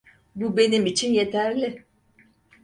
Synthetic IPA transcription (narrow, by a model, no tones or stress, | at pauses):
bube̞nimit͡ʃʰinje̞t̪ʰæɾlʲɪ